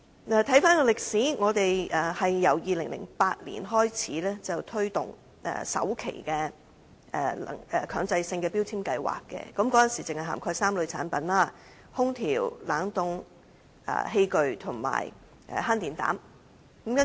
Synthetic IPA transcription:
aː˨t̪ʰɐ˨˥jfaː˥nkɔː˧lɪ˨k̚siː˨˥ŋɔː˨˧t̪e˨jʔɛ˨hɐ˨jːɐ˨˩wjiː˨˧lɪ˨˩ŋlɪ̰˨˩ŋpaː˧t̚lḭ˨˩nɦɔː˥jt͡sʰiː˨˥lɛː˥t͡sɐ˨˩wt̪ʰɵ˥ɥt̪ʊ̰˨ŋ | ʔɛ̰ː˧˩sɐ̰˨˥wkʰḛ˨˩jkɛː˧ | ɛ˧l̰ŋɛ˨kʰœː˨˧ŋt͡sɐ˧jsɪ˧ŋkɛː˧pi˥wt͡sʰiː˥mkɐ˧jwa̰ː˨˩kːɛ̰ː˧kɐ˨˥mkɔː˨˥ɐ˨nsiː˨˩t͡sɪ˨ŋhɐ˨jɦa̰ː˨˩mkʰɔː˧jsaː˥mlɵ˨˧t͡sʰaː˨˥npɐ˨˥nlaː˥ | hʊ˥ŋt̪ʰiː˨˩wlaː˨˥ŋt̪ʊ˧ŋ | ʔɛ̰ː˧˩he˧jkɵ˨˧ɥt̪ʰʊ˨˩ŋma̰ː˨˩j | ʔhaː˥nt̪iː˨˩nt̪a̰ː˨˥m | kmkɐ˥

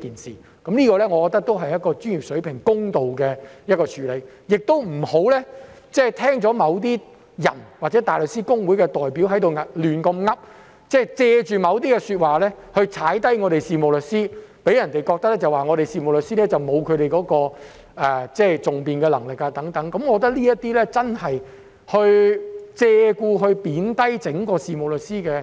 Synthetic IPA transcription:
kiː˨nsiː˨ | kɐ˨˥mliː˥kɔː˧lɛː˥ŋɔː˨˧kɔː˧k̚t̪ɐ˥k̚t̪o˥wɦɐ˨jɐ˥t̚kɔː˧t͡ʃyː˥njyː˨˩sɵ˨˥pʰɪ˨˩ŋkʊ˥ŋt̪o˨wkɛː˧jɐ˥t̚kɔː˧t͡ʃʰyː˨˧˥le˨˧jjɪ˨k̚t̪o˥wm̩˨˩ho˨˥wlɛː˥t͡sɛː˥˩t̪ʰɛː˥ŋt͡sɔː˨˥mɐ˨˧wt̪̬iː˥ | jɐ̰˨˩nwaː˨k̚t͡sɛ˨˥t̪aː˨jlɵ˨k̚siː˥kʊ˥ŋwuː˨˥jkɛ˧t̪ɔː˨jpi˨˥wɦɐ˨˥jt̪o˨˧wŋɐ˨lyː˨˩nkɐ˧mŋɐ˥p̚ | t͡sɛː˥˩t͡sɛː˧t͡ʃyː˨˩mɐ˨˧wt̪̬iː˥kɛ˧syː˧t̚waː˨lɛː˥hɵ˧ɥt͡sʰaː˨˥jt̪ɐ˥jŋɔː˨˧ɾe˨jsiː˨˧mo˨wlɵ˨k̚siː˥pe˨˥jɐ˨˩nt̪e˨jkɔː˧k̚t̪ɐ˥k̚lɛː˥t͡sɐ˨waː˨ŋɔː˨˧ɾe˨jsiː˨˧mo˨˩wlɵ˨t̚siː˥lɛː˥t͡sɐ˨wmo˨˧wkʰɵ˨˧ɥɾe˨jkɔː˨˥kɔː˧ | ɛː˨˩t͡sɛː˥˩t͡sʊ˨ŋpiː˨nkɛː˧lɐ˨˩ŋlɪ˨k̚aː˧t̪ɐ˨˥ŋt̪ɐ˨˥ŋkɐ˨˦mkɔː˨˧kt̪ɐ˥k̚liː˥jɐ˥t̪ːiː˥lɛː˥t͡sɐ˥nhɐ˨j | hɵ˧ɥt͡sɛː˧kuː˧ɦɵ˧ɥpiː˨˥nt̪ɐ˥jt͡sɪ˨˥ŋkɔː˧siː˨mo˨˩wlɵ˨k̚siː˥kɛː˧

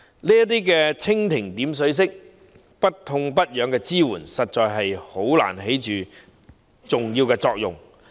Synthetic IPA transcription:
niː˥jɐ˥t̪iː˥kɛː˧t͡sʰɪ˥ŋt̪ʰɪ˨˩ŋt̪iː˨˥ms̬ɵ˨˥ɥs̬ɪ˥k̚ | pɐ˥t̚t̪ʰʊ˧ŋpɐ˥t̚jœː˨˥ŋkɛː˧t͡siː˥wuː˨˩nsɐ˨t̚t͡ʃɔː˨˧jɦɐ˨jho˨˥wla̰ː˨˩nɦe˨˥jt͡ʃyː˨˩ | t͡sʊ˨ŋjiː˧wkɛː˧t͡sɔː˧k̚jʊ˨ŋ

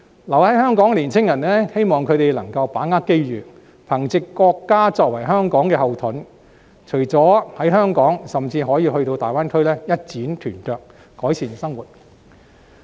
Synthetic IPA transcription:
lɐ˨˩whɐ˨˥jhœː˥ŋkɔː˨˥ŋliː˨˩nt͡sʰɪ˥ŋjɐ˨˩nlɛː˥he˥jmɔː˨ŋkʰɵ˨˧ɥt̪e˨jlɐ˨˩ŋkɐ˧wpaː˨˥ŋaː˥t̚ke˥jɥyː˨˩ | pʰɐ˨˩ŋt͡sɪ˨˧kːɔː˧kːaː˥t͡sɔː˧k̚wɐ˨˩jɦœː˥ŋkɔː˨˥ŋkɛː˧ɦɐ˨wt̪ʰʊ˨˥n | t͡ʃʰɵ˨˩ɥt͡sɔː˨˥hɐ˨˥jɦœː˥ŋkɔː˨˥ŋsɐ˨˩mt͡siː˧ɦɔː˨˥jiː˧hɵ˧ɥt̪o˧wt̪aː˨jwaː˥nkʰɵ˥ɥlɛː˥jɐ˥t̚t͡siː˨˥nt̪ʰyː˨˩nt͡ʃœː˨˧k̚ː | ɔː˨˥jsʰiː˨˩nsɐ˥ŋwuː˨t̚

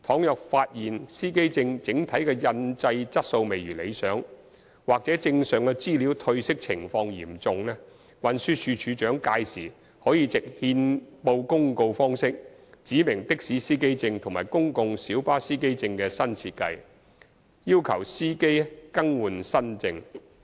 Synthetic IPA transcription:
t̪ʰɔː˨˥ŋjœ˨k̚faː˧t̚jiː˨nsiː˥ke˥jt͡sɪ˧ŋt͡sɪ˨˥ŋt̪ʰɐ˨˥jkɛː˧jɐ˧nt͡sɐ˧jt͡sɐ˥t̚so˧wme˨˩jɥyː˨˩le˨˧jsœː˨˥ŋ | waː˨k̚t͡sɛː˨˥t͡sɪ˧ŋsœː˨˩ŋkɛ˧t͡siː˥liː˨˥wt̪ʰɵ˧ɥsɪ˥k̚t͡sʰɪ˨˩ŋfɔː˧ŋjiː˨˩mt͡sʊ˨˧ŋlɛː˥ | wɐ˨nsyː˧˥t͡ʃʰyː˨˧t͡ʃʰyː˨˧t͡ʃœː˨˥ŋkaː˧jsiː˨˩ | hɔː˨˥jiː˧t͡sɪ˨k̚hiː˧npo˧wkʊ˥ŋko˧wfɔː˥ŋsɪ˥k̚t͡siː˨˥mɪ˨˩ŋt̪ɪ˥k̚siː˨˥siː˥ke˥jt͡sɪ˧ŋt̪ʰʊ˨˩ŋmaː˨˩jkʊ˥ŋkʊ˧ŋsiː˨˥wpaː˥siː˥ke˥jt͡sɪ˧ŋkɛː˧sɐ˥nt͡sʰiː˧t̚kɐ˧j | jiː˥wkʰɐ˨˩wsiː˥ke˥jkɐ˥ŋwuː˨˩nsɐ˥nt͡sɪ˧ŋ

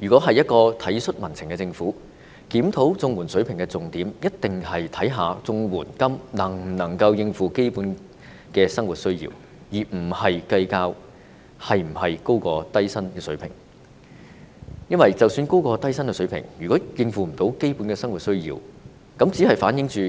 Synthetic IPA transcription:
jyː˨˩kʷɔː˨˥ɦɐ˨jɐ˥t̚kɔː˧t̪ʰɐ˨˥jsɵ˥t̚mɐ˨˩nt͡sʰɪ˨˩ŋkɛː˧t͡sɪ˧ŋfuː˨˥ | kiː˨˥mt̪ʰo˨˥wt͡sʊ˧ŋwuː˨˩nsɵ˨˥ɥpʰɪ˨˩ŋkɛ˧t͡sʊ˨ŋt̪iː˨˥mjɐ˥t̚t̪ɪ˨ŋhɐ˨jt̪ʰɐ˨˥jɦaː˨˧t͡sʊ˧ŋwuː˨˩nkɐ˥mnɐ˨˩ŋm̩˨˩nɐ˨˩ŋkɐ˧wjɪ˧ŋfuː˨ke˥jpuː˨˥n | kɛː˧sɐ˥ŋwu˨t̚sɵ˥ɥjḭː˧w | jiː˨˩m̩˨˩hɐ˨jkɐ˧jkaː˧w | hɐ˨jm̩˨˩hɐ˨jko˥wkɔː˧t̪ɐ˥jsɐ˥nkɛː˧sɵ˨˧˥ɥpʰɪ̰˨˩ŋ | jɐ˥nwɐ˨jt͡sɐ˨wsyː˧nko˥wkɔː˧t̪ɐ˥jsɐ˥nkɛː˧sɵ˨˥ɥpʰɪ̰˨˩ŋjyː˨kʷɔː˨˥jɪ˧ŋfuː˨m̩˨˩t̪o˨˥wke˥jpuː˨˥nkɛː˧sɐ˥ŋwu˨t̚sɵ˥ɥjḭː˧w | kɐ˨˥mt͡siː˨˥hɐ˨jfaː˨˥njɪ˨˥ŋt͡ʃyː˨

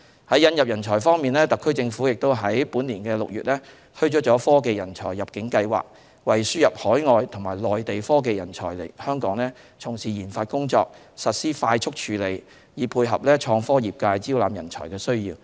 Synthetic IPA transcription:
hɐ˨˥jɐ˧njɐ˨p̚jɐ˨˩nt͡ʃʰɔː˨˩jfɔː˥ŋmiː˨nlɛː˥t̪ɐ˨kʰːɵ˥ɥt͡sɪ˧ŋfuː˨˥jɪ˨k̚t̪o˥wɦɐ˨˥jpuː˨˥nliː˨˩nkɛː˧lʊ˨k̚jyː˨t̚lɛː˥ | t̪ʰɵ˥ɥt͡ʃɔː˨˥t͡ʃɔː˨˥fɔː˥k̬e˧jɐ˨˩nt͡ʃʰɔː˨˩jːɐ˨p̚kɪ˨˥ŋkɐ˧jwa̰ː˨k̚ | wɐ˨˩jsyː˥jɐ˨p̚hɔː˨˥jŋɔː˨˧jt̪ʰʊ˨˩ŋmaː˨˩jlɔː˨jt̪e˨jfɔː˥k̬e˧jɐ˨˩nt͡ʃʰɔ̰ː˨˩jle˨˩jhœː˥ŋkɔː˨˥ŋlɛː˥ | t͡sʰʊ˨˩ŋsiː˨˩jiː˨˩nfaː˧t̚kʊ˥ŋt͡sɔ̰ː˧k̚ | sɐ˨t̚siː˥faː˧jt͡ʃʰʊ˥k̚t͡ʃʰyː˨˩le˨j | jiː˨˧pʰuː˧jɦɐ̰˨p̚lɛː˥t͡ʃʰɔː˧ŋfɔː˥jiː˨˩p̚kaː˧jt͡siː˥wlaː˨˧mjɐ˨˩nt͡ʃʰɔ̰ː˨˩jkɛː˧sɵ˥ɥjiː˧w

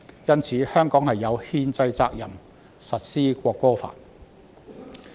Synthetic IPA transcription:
jɐ˥nt͡sʰiː˨˥hœː˥ŋkɔː˨˥ŋhɐ˨jːɐ˨˧whiː˧nt͡sɐ˧jt͡saː˧k̚jɐ˨˩m | sɐ˨t̚siː˥kʷɔː˧kːɔː˥fa̰ː˨˩n

